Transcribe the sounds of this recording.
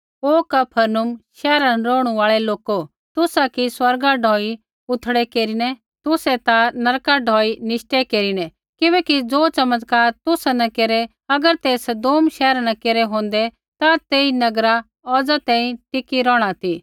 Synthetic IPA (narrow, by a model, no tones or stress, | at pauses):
oːkɐpʰəɾnʊmʃɛːɾanɾɔːɽ̃uaːɭɛloːko | t̪ʊsakiswɐɾɡaɖʱɔːi | ʊt̪ʰɽɛkeːɾinɛ | t̪ʊsɛt̪anɐɾkaɖʱɔːinɪʃʈekeːɾinɛ | kɪbɛːkid͡zoːt͡ʃɐmət̪kaːɾt̪ʊsanɐkeːɾɛ | ɐɡəɾt̪eːsəd̪oːmʃɛːɾanãkeːɾɛɦõːn̆d̪ɛ | t̪at̪eːinɐɡɾa | ɔːd͡zat̪ɛ̃ːĩʈɪkiɾɔːɽ̃at̪iː